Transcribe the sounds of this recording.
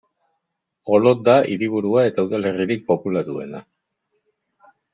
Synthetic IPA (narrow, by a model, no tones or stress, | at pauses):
o̞lo̞t̪̚d̪aʔiɾiβ̞uɾuae̞t̪awðale̞riɾik̚po̞pulat̪ue̞̰na̰